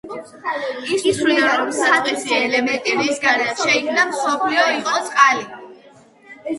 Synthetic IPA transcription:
ismsliaɾɔɾɔmsat̪χʼɛsiɛlɛmɛnt̪ʼiɾisɡaɾɛaʃɛikʰnamsɔpʰliɔiqʼɔsʼqʼali

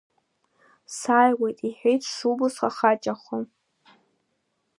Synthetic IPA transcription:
saːjwejtʼiħʷᶣejtʰʂubʊsχaχat͡ʃʼaχʷʊ

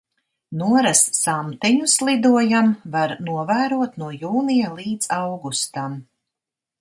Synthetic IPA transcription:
nuɔɾassamt̪ɛɲuslˠid̪uɔjamvaɾnuɔvæːɾuɔt̪nuɔjuːnijalˠiːd̪zawɡust̪am

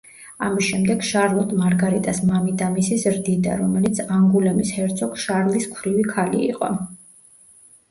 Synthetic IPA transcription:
amisʃɛmd̪ɛɡ̥ʃaɾlˠɔt̪ʼmaɾɡaɾit̪ʼasmamid̪amisizɾd̪id̪a̰ɾɔmɛlit̪sʰaŋɡulɛmishɛɾt̪sʰɔkʰʃaɾliskʰɾivikʰalḭḭqʼɔ̰

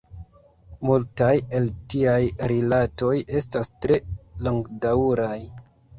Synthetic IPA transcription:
multaje̞ltiajɾilato̞jʔe̞stastɾe̞loŋɡdawɾaj

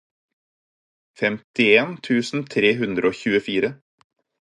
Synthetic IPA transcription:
fɛmt̪ɪeːnt̪ʰʉːsn̩t̪ʰɾeːɦʉnd̪ɾəoːçʉːəfiːɾə

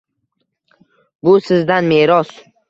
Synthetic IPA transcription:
bʊsɪzd̪anme̞ɾɒs

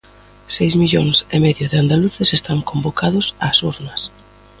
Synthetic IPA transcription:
sejzmiʎoŋsemɛðjʊðɪand̪aluθesest̪aŋkombokað̞ʊsaːsuɾnɐs

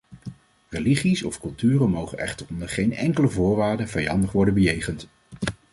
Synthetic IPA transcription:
rəliχisɔfkɵlˠtyːrəmowχənɛ̰χtərɔndəɹχejnɛŋkələvʊːɹʋaːɹdəvɛjɑndəχʋɔɹdənbəjejχənt

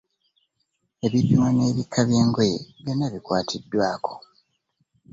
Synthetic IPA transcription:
e̞βipːimwane̞ːβikʰːaβje̞ːŋɡojeβjo̞nːaβikwaːtʰidːwaːko̞̥

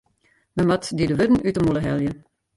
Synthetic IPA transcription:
məmɑtdidəʋødn̩ytəmuləɦɛ̰lˠjə

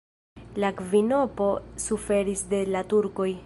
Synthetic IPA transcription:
lakvino̞po̞sufe̞ɾisde̞latuɾko̞j

